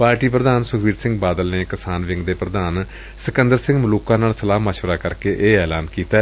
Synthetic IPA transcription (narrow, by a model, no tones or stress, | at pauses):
paːɾʈiːpɾəd̪aːnsʊkʰʋiːɾsɪ̃ŋɡbaːd̪əlneːkɪsaːnʋɪ̃ŋɡd̪eːpɾəd̪aːn | sɪkə̃nd̪əɾsɪ̃ŋɡmʊluːkãːnaːlsəlaːmaʃʋəɾaːkəɾkeːʔeːɛːlaːnkiːt̪aː